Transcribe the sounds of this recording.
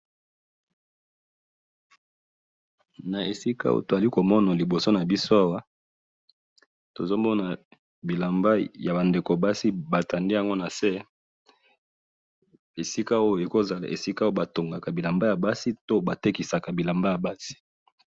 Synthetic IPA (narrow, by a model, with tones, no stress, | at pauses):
na˨e˨si˦ka̰˦o̰˦to˨za˨li˦ko˨mɔ˦na˨li˨bo˨so˦na˨bi˦so˦a˦wa˦ | to˨zo˦mɔ˦na˨ | bi˨la˨mba˦ja˨ba˨nde˨ko˨ba˦si˦ba˨ta˨nde˦a˦˨ŋɡo˦na˨sɛ˦ | e˨si˦ka˦o˦jo˨e˨ko˦za˨la̰˨ḛ˨si˦ka˦o˦o˦ba˨to˨ŋɡa˨ka˨bi˨la˨mba˦ja˨ba˦si˦to˦ba˨te˦ki˨sa˨ka˨bi˨la˨mba˦ja˨ba˦si̥˨